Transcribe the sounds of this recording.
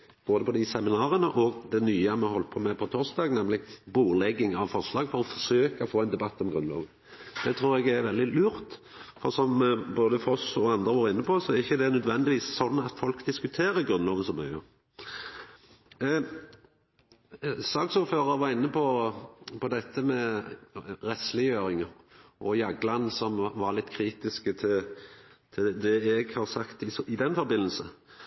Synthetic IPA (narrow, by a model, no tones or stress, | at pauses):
b̥oːd̪əpʰɔd̪ɪsɛmɪnɑːɾənəʔɔɡd̪ɛnyːəmɛhɔlt̪pʰomɛpʰɔt̪ʰoːsd̪ɑːɡnɛmlɪbuːlɛɡːɪŋɑʋfɔʁʂlɑːɡfɔʁɔfɔsøːkaɔfoːɛɪnd̪ɛbɑt̪ːɔmɡɾʁʉnlɑ̰ːʋə | d̪̥ɛt̪ʰɾuːɾɛɡæʋɛld̪ɪlʉːɾt̪ | fɔʁsɔmboːd̪əfɔsɔɑnd̪ʁəʋoːɾɪnːəpʰɔsɔæɾɪçːəd̪ɛnœd̪ʋɛnd̪ɪʋiːsːɔnːɑt̪fɔlkd̪ɪskʉt̪ʰeːɾəɡʁʉnlɔːʋənsɔmːœ̰ʏə | sɑːɡsuːɾføːʁəɾʋɑʁɪnːəpʰɔpʰɔd̪ɛt̪ʰːəmɛ | ʁɛst̪lɪjøːɾɪŋə | ʔɔjɑɡlɑnsɔmʋɑʁlɪt̪ːkʰɾiːt̪ɪskət̪ʰɪlt̪ʰɪd̪ɛɛɡhɑʁsɑkt̪ɪɪd̪ɛnːfɔɾbɪnːəl̩sə